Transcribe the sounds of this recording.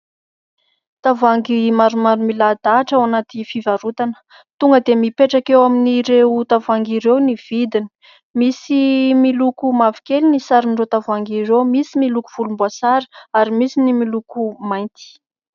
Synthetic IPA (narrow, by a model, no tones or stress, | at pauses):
t̪avaŋɡimaɾumaɾumilad̪aʈ͡ʂawanat̪ifivaɾut̪anə̥ | t̪uŋɡəd̪emipeʈ͡ʂakewaminiɾewt̪avaŋɡiɾewniv̥id̪ini̥ | misimilukumavi̥kelinisaɾinɖ͡ʐot̪avaŋɡiɾewmisimilukuv̥ulumbuasaɾi̥aɾimisinimilukumajnt̪i̥